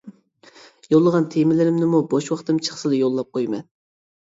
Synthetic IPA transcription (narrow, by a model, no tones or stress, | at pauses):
jolˠːəʁɑnt̪ʰemɪlɪɾɪmnɪmuboʃwɑχt̪ɨmt͡ʃʰə̥χsɨlˠɨjolˠːɑp̚qʰojmɛ̰n